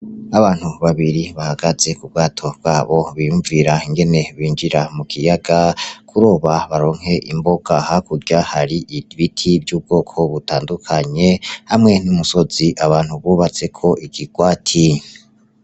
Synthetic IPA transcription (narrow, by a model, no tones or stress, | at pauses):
aβaːn̥huβaβiɾiβahaɡaze̞kubɡaːtʰo̞b̥̚ɡaːβo̞βijuɱviɾaiŋɡe̞ne̞βiːnɡiɾamukʰijaɡakʰuɾo̞ːβaβaɾo̞ːŋ̥he̞ʔimbo̞ɡ̥ahakuɾɟahaɾiʔiβitʰibjuːb̚ɡo̞ːkʰo̞βutaːndukʰaɲe̞hamŋe̞numuso̞ziʔaβaːnhuβuːβat͡se̞kʰo̞ʔikiɡ̥waːtʰi